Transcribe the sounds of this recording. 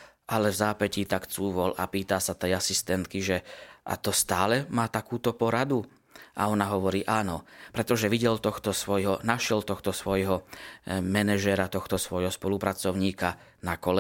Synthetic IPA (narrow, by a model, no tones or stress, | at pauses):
ʔalɛvzaːpɛcit̪akt͡suːʋɔlʔa̰piːt̪asat̪ɛjasist̪ɛnt̪kiʒɛʔa̰t̪ɔst̪aːlɛmaːt̪akuːt̪ɔpɔɾad̪u | ʔa̰ɔnaɦɔʋɔɾiːʔaːnɔpɾɛt̪ɔʒɛʋiɟɛlt̪ɔxt̪ɔsʋɔjɦɔnaʃɪɛlt̪ɔxt̪ɔsʋɔjɦɔ | mɛnɛʒɛɾat̪ɔxt̪ɔsʋɔjɦɔspɔlupɾat͡sɔʊɲiːka | nakɔlɛ